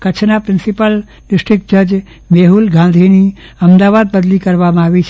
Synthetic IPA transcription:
kət͡ʃʰnapɾɪ̃nsipəl | ɖɪsʈɾɪk̚ʈ̚d͡ʒəd͡ʒ | meɦulɡãnd̪ʱiniəmd̪aʋad̪̚bəd̪likəɾʋamãaʋit͡ʃʰ

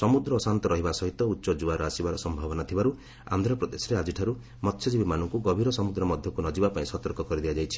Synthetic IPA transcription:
sɔmud̪ɾɔːsant̪ɔɾɔɦibasɔɦit̪ɔutːʃɔd͡ʒuaɾɔasibaɾɔsɔmbʱabɔnat̪ʰibaɾu | a̰nd̪ʱɾɔpɾɔd̪esɔɾead͡ʒiʈʰaɾu | mɔt̪ʰːjɔd͡ʒibimanɔŋkuɡɔbʱiɾɔsɔmud̪ɾɔmɔd̪ʱjɔkunɔd͡ʒibapaĩsɔt̪ɔɾkɔkɔɾid̪iad͡ʒajt͡ʃʰi̥

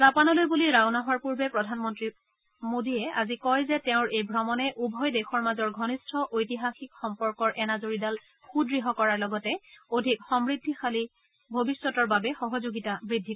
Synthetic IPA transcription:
zapanɔlojbuliɹawnaɦɔɹpuɹbɛpɹɔdʱanmɔntɹi | modiɛa̰zikɔjzɛtɛʊ̃ɹejbʱɹɔmɔnɛʔubʱɔjdexʰɔɹmazɔɹɡʱɔnistʰɔʔojtiɦaxikxɔmpɔɹkɔɹʔɛnazoɹidal | xʰudɹiɦɔkɔɹaɹlɔɡɔtɛodʱikxɔmɹidʱːixali | bʱobisːɔtɔɹbabɛxɔɦɔzoɡitabɹidʱːik

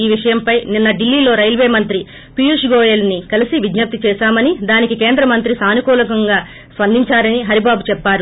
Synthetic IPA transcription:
iːʋiʂɐjɐmpɐjninːɐɖilːiːlo̞ːɾɐjlʋeːmɐnt̪ɾi | pijuʂɡoːjelnikɐlisiʋid̪nɐp̚t̪it͡ʃɛːʃaːmɐnid̪aːnikikeːnd̪ɾɐmɐnt̪ɾisaːnukɔːlɐkɐŋɡaː | sʋɐnd̪iɲt͡ʃaːɾɐniɦɐɾibaːbut͡ʃɛpːaːɾu

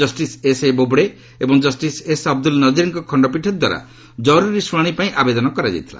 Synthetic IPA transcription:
ɔsʈisesebobɽe | ebɔŋd͡ʒɔsʈisesɔb̚d̪ulnɔd͡ʒiɾiŋkɔkʰɔɳɖɔpiʈʰɔd̪wa̰ɾa̰ | d͡ʒɔɾuɾisuɽaɽ̃ipaĩʔabed̪ɔnɔkɔɾad͡ʒa̰jt̪ʰila̰

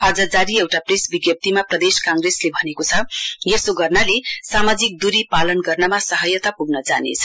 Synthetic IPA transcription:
ad͡zʌd͡zaɾiewʈapresbiɡjʌp̚t̪imaprʌd̪eskãŋɡreslebʱʌnekot͡sʰʌjesoɡʌrnalesamad͡zik̚d̪uɾipalʌnɡʌrnʌmasʌɦʌjʌt̪apuɡnʌd͡zanḛt͡sʰʌ̥

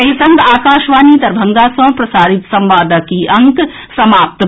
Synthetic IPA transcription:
ɐsɐ̃ŋɡaːkaːʃʋaːniːd̪ɐɾbʱɐ̃ŋɡaːsɐ̃ːpɾɐsaːɾit̪sɐ̃mʋaːd̪ɐkiʔɐŋk | sɐmaːp̚t̪

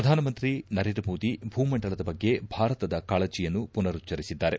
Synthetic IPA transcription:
ɾɐd̪ʱaːnɐmɐnt̪ɾinɐɾeːɳdɾɐmo̞ːd̪ibʱuːmɐɳɖɐɭɐd̪ɐbɐɡːe̞bʱaːɾɐt̪ɐd̪ɐkaːɭɐt͡ʃijɐnːupunɐɾut͡ʃːɐɾisid̪ːaːɾe

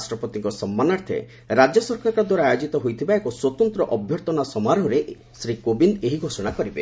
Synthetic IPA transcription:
sʈɾɔpɔt̪iŋkɔsɔmːanaɾt̪ʰḛ | ɾad͡ʒɔsɔɾkaɾkɔd̪waɾaːjod͡ʒit̪ɔɦojt̪ʰibaekɔswɔt̪ɔnt̪ɾɔʔɔbʱjɔɾt̪ɔnasɔmaɾɔ̃ɾe | sɾikobind̪eɦiɡʱosɔɽ̃akɔɾibḛ

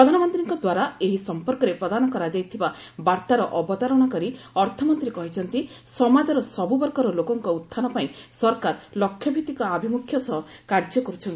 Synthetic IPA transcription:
pɾɔd̪ʱanɔmɔnt̪ɾiŋkɔd̪waɾaeɦisɔmpɔɾkɔɾepɾɔd̪ʱanɔkɔɾad͡ʒajt̪ʰiba | baɾt̪aɾɔʔɔbɔt̪aɾɔɽ̃ɔkɔɾi | ɔɾt̪ʰɔmɔnt̪ɾiekɔɦit͡ʃʰɔnt̪i | sɔmad͡ʒɔɾɔsɔbubɔɾkɔɾɔlokɔŋkɔut̪ʰːanɔpaĩ | sɔɾkaɾlɔkʰːjɔbʱit̪ikɔabʱimukʰːjɔsɔɦɔkaɾd͡ʒɔkɔɾut͡ʃʰɔnt̪i

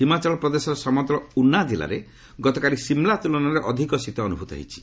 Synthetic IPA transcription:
ɦimat͡ʃɔɭɔpɾɔd̪esɔɾɔsɔmɔɡ̪ɾɔunad͡ʒila̰ɾe | ɡɔt̪ɔkaɾisimlat̪ulɔnaɾeʔɔd̪ʱikɔsit̪ɔːnubʱut̪ɔɦḛijt͡ʃʰi̥

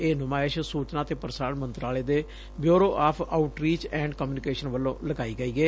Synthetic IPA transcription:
eːnʊmaːɪʃsuːt͡ʃnãːt̪eːpəɾsaːɽmənt̪ɾaːleːd̪eː | bjoːɾoːʔaːpʰaːʊʈɾiːt͡ʃɛ̃ːɳɖkəmjuːnɪkeːʃənʋəlːõːləɡaːiːɡəːiːɡeː

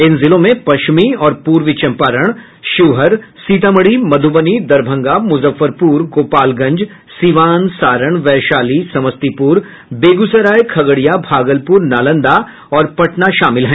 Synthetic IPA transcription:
ɪnzɪlõmẽpɐʃmiɔːɾpuːɾʋɪt͡ʃɐ̃mpaːɾəɽ̃ | ʃʊʋɦəɾsiːt̪əməɽimɐd̪ʱubənid̪ɐɾbʱə̃ŋɡamʊzəfːəɾpuːɾɡoːpaːlɡɐ̃ɲd͡ʒ | siʋaːnsaːɾəɳ̃ʋɛːʃaːlisɐməst̪ipuːɾ | beːɡusəɾaːjkʰɐɡəɽijabʱaːɡəlpuːɾnaːlə̃nd̪a | ɔːɾpɐʈnaʃaːmɪlɦɛ̃ː

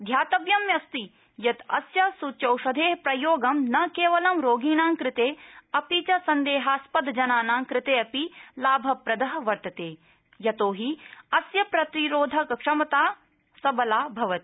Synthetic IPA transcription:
d̪ʱjaːt̪ɐʋjɐmjɐst̪i | jɐt̪ɐ̰sjɐsut͡ʃɐwʃɐd̪ʱeːɦɐpɾɐjoːɡɐmnɐkeːʋɐlɐmɾoːɡiːnaːŋkɾɪt̪eːɐpit͡ʃɐsɐnd̪eːɦaːspɐd̪d͡ʒɐnaːnaːŋkɾɪt̪eːɐpilaːbʱɐpɾɐd̪ɐɦɐʋɐɾt̪ɐt̪eː | jɐt̪oːɦiɐsjɐpɾɐt̪iɾoːd̪ʱɐkɐkʂɐmɐt̪aː | sɐbɐlaːbʱɐʋɐt̪i̥

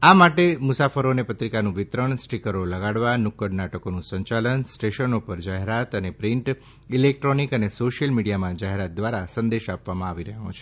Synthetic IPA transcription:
amaʈemʊsafəɾonepət̪ɾikanũʋɪt̪ɾəɳsʈikəɾoləɡaɽʋanʊkːəɽnaʈəkonũsə̃ɲt͡ʃalənsʈeʃənopəɾd͡ʒaɦeɾat̪ənepɾiɳʈ | ilek̚ʈɾonikənesoʃijəlmiɽijamãd͡ʒaɦeɾat̪̚d̪ʋaɾasə̃nd̪eʃapʋamãaʋiɾəɦõ̰t͡ʃʰe̥

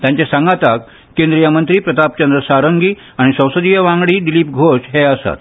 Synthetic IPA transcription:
t̪jaɲt͡ɕasãŋɡat̪ak | kend̪ɾijamənt̪ɾiːpɾət̪ap̚t͡ɕənd̪ɾəsaɾəŋɡiː | aɽ̃isə̃w̃səd̪ijəʋãŋɡɽiːɖiliːp̚ɡʱoɕɦeəsa̰t̪̚

